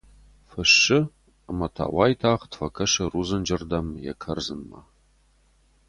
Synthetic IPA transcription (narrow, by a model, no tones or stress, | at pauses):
fɨʃɪ | əmɐtʰa̰ːwaːjtʰaːʁtfɐkʰɐʃɐruːzɨnd͡ʒɐrdɐmjɛ̰kʰɐrzɨnmɐ̰